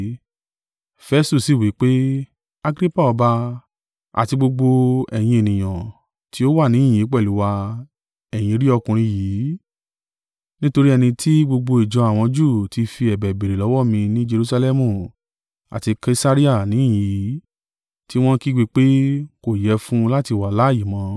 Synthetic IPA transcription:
fɛ˧˦stu˦˨si˦˨wi˨˦k͡pe˦ | a˧ɡɾi˦pa˦˨ɔ˧ba˧ | a̰˨ti˧ɡ͡bo˧ɡ͡bo˧ɛ˨j̃ĩ˧e˨nĩ˨j̃ã˨ | ti˦o˦wa˦˨nĩ˨˦˨i˨˦k͡pɛ˦˨lu˨˦wa˧ | ɛ˨j̃ĩ˨˧˦ɾi˦ɔ˧kũ˨ɾ̃ĩ˧˦jiː˨˦ | nĩ˦to˧ɾi˦ɛ˧nĩ˧tʰi˦ɡ͡bo˧ɡ͡bo˧i˨d͡ʒɔ˨˦a˨w̃ɔ̃˧d͡ʒu˦˨ti˧fi˧ɛ˨bɛ˨be˨ɾe˨lɔ˨˦wɔ˦˨mĩ˧nĩ˦d͡ʒe˧ɾu˧˦sa˧lɛ˦mũ˦˨ | a̰˨ti˧ke˧˦˧sa˦ɾi˦a˦˨nĩ˨˦˨jĩ˨ji˨˦ | ti˦w̃ɔ̃˦ki˦ɡ͡bi˧k͡pe˦ko˦˨jɛ˨˦fũ˦la˦ti˧˨wa˨la˨˦˨ji˨˦mã˨˦

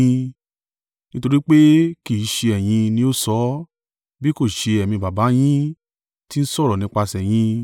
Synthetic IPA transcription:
nĩ˦to˧ɾi˦k͡pe˦ki˦˨˦ʃe˧ɛ˨j̃ĩ˧nĩ˧˦o˦˨sɔ˨˦ | bi˦ko˦˨ʃe˧ɛ˨mĩ˧ba˨ba˨˦j̃ĩ˦ | ti˦n̩˦sɔ˦˨ɾɔ˨nĩ˧˦k͡pa˧sɛ˨j̃ĩ˧

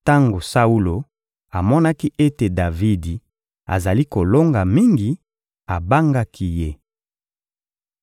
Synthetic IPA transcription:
ta˦ŋɡo˨sa˦u˦lo˨ | a˨mɔ˦na˦ki˦ʔe˦te˨da˨vi˦di˨ | a̰˨za˨li˦ko˨lo˦ŋɡa˨mi˦ŋɡi˨ | a˨ba˦ŋɡa˦kʰi˦je˦

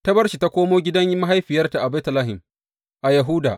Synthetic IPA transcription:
tɐ˦bɐ˦rʃi˨ta˦kʷoː˦moː˦ɡʲɪ˦dɐ˦ɲji˦ma˦ɦa˦jɸɪ˨jɐ˦rta˨ʔa˨ba˦tɐ˨laː˦ɦɪ˨m | ʔa˨jɐ˨ɦʊ˦da̰ː˨ʔ

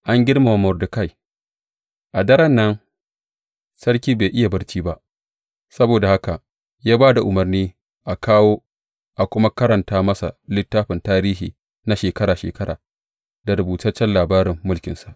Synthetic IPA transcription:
ʔa˦ŋɡʲɪ˦ɽma˨a˨mʊ˨rdʊ˨ka˦˨j | ʔa˨dɐ˦ɾɐ˦nːɐ˦n | sɐ˦ɽkʲiː˦beː˨ʔɪ˦ja˨bɐ˦ɾt͡ʃiː˦ba˦ʔ | sɐ˦boː˨da˨ha˦ka˨ | jaː˦baː˦da˨ʔʊ˨mɐ˨rniː˦ | ʔa˨kaː˦woː˦ | ʔa˨kʷʊ˦ma˦kɐ˦ɾɐ˨ntaː˦mɐ˦sa̰˨lɪ˦tːaː˦ɸɪ˨ntaː˦ɾiː˦ɦḭː˨ | na˦ʃeː˨kɐ˦ɾaː˨ʃḛː˨kɐ˦ɾaː˨ | da˨ɾʊ˨buː˨tɐ˦t͡ʃːɛ˦nlaː˨baː˦ɾɪ˨mːʊ˦lkʲɪ˨nsa˨ʔ

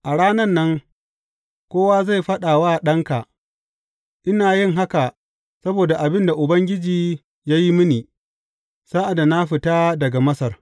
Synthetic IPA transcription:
ʔa˨ɽaː˦nɐ˦nːɐ˦ŋ | kʷoː˦wa˦za˦˨jɸɐ˦ɗaː˨waː˦ɗɐ˦ŋka˨ | ʔɪ˦naː˨jɪ˦ŋɦa˦ka˨ | sɐ˦boː˨da˨ʔa˨bɪ˦nda˨ʔʊ˨bɐ˦ŋɡʲɪ˦d͡ʒiː˨ | jaː˦ji˦mɪ˦niː˨ | saː˦ʔa˨da˨na˦ɸɪ˨taː˦dɐ˨ɡa˨mɐ˦sɐ˨r

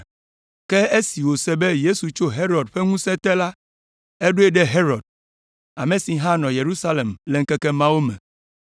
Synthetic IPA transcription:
kɛ˦e˦si˨wo˨sɛ˦be˦je˦su˨t͡ʃo˦ɦe˦ɾɔ˨ɖɸɛ˦ŋũ˦sɛ̃˦t̪ɛ˦la˦ | e˦ɖo˦e˦ɖɛ˦ɦe˦ɾɔ˨d̚ | a˨mẽ˨si˨ɦã˦nɔ̃˨je˨ɾu˦sa˦le˨mlɛ˨ŋ̩˦kɛ˦kɛ˦mã˦wo˦mɛ̰̃˨

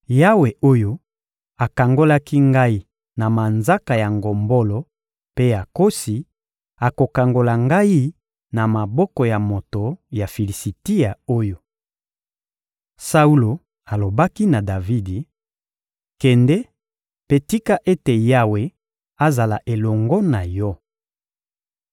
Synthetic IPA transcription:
ja˦we˨ʔo˦jo˦ | a˨ka˨ŋɡo˦la˦ki˦ŋɡa˦i˦ | na˨ma˨nza˦ka˨ja˨ŋɡo˨mbo˦lo˨ | pe˦a˨ko˦si˨ | a˨ko˨ka˨ŋɡo˨la˨ŋɡa˦i˦ | na˨ma˨bɔ˦kɔ˨ja˨mo˨to˨ja˨fi˨li˨si˨ti˦ja˨o˦jo˨ | sa˦u˦lo˨ | a˨lo˨ba˦ki˦na˨da˨vi˦di˨ | kɛ˨ndɛ˦ | pe˦ti˦ka˦ʔe˦te˨ja˦we˦ | a˦za˨la˨ʔe˨lɔ˨ŋɡɔ˦na˨jɔ˦

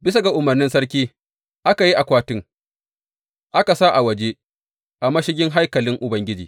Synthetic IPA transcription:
bɪ˦sa˨ɡa˨ʔʊ˨mɐ˨rnɪ˦nsɐ˦rkʲiː˦ | ʔa˦ka˨ji˦ʔa˨kʷaː˦tɪ˦ŋ | ʔa˦ka˨sa˦ʔa˨wɐ˨d͡ʒeː˦ | ʔa˨mɐ˦ʃɪ˦ɡʲɪ˦ŋɦa˦jkɐ˨lɪ˦ŋʔʊ˨bɐ˦ŋɡʲɪ˦d͡ʒḭː˨

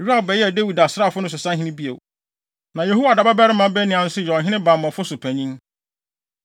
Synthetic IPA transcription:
ɾu˦a˦˨bɛ˨jɛ˦˨de˦wi˨da˨sɾa˦˨fʊ˦nʊ̃˦s̬ʊ˨sã˦ɦɪ̃˦nɪ̃˦bi˦ḛ˨w | nã˨je˨ɦu˦wa˨da˨ba˦bɛ˦ɾɪ˦mã˦bɛ˦nĩ˨ã˨n̩˦sʊ˦jɔ˨ɦɪ̃˦ɪ̃˦ba˨mɔ̃˨fʊ˦sʊ˨pʰæ˨ɲĩ˦ŋ

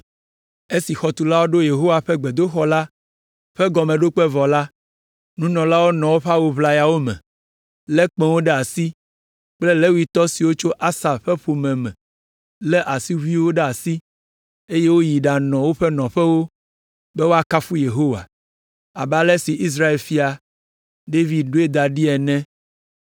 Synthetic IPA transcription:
e˦si˨xɔ˨t̪u˨la˦wo˦ɖo˦je˨ɦo˦wa˨ɸɛ˦ɡ͡be˨d̪o˦xɔ˦la˦ | ɸɛ˦ɡɔ˨mɛ̃˨ɖo˦k͡pɛ˦vɔ˨la˦ | nũ˦nɔ̃˨la˦wo˦nɔ̃˨wo˦ɸa˦wu˦˨βla˦ja˨wo˦mɛ̰̃˨ | lɛ˦k͡pɛ̃˨wo˦ɖɛ˦a˨si˦ | k͡ple˦le˦wu˦i˦t̪ɔ˦si˨wo˦t͡ʃo˦ʔa˦sa˨ɸɛ˦ɸo˨mɛ̃˨mɛ̃˨ | lɛ˦ʔa˨si˦βu˦i˦wo˦ɖɛ˦a˨si˦ | e˦je˦wo˦ji˨ɖa˨nɔ̃˨wo˦ɸɛ˦nɔ̃˨ɸɛ˦wo˦ | bɛ˦wo˦a˨ka˦fu˦je˨ɦo˦wa̰˨ | a˨ba˨lɛ˦si˨ʔi˦s̬ɾa˦e˨lfi˦a˨ | ɖe˦vi˨d̪̚ɖo˦e˦d̪a˨ɖi˦ɛ˨nɛ̃˦

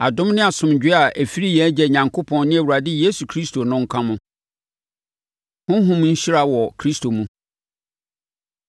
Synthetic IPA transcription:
a˨dʊ̃˦mnɪ̃˦a˨sʊ̃˨md͡ʑᶣɪ˦a˨ʔæ˨fi˦ɾi˦jɛ˨˦d͡ʑɛ˨ɲã˨ŋkʰo˦pʰɔ̃˨nnɪ̃˦æ˨wu˨ɾa˨dɪ˦je˦su˨kʰɾi˦stʰo˨nʊ̃˦ŋ̩˦kʰã˦mʊ̃˦ | hʊ̃˦ɦʊ̃˦m˦ɲ̩˦ɕi˦ɾa˦wɔ˨kʰɾi˦stʰo˨mũ˦

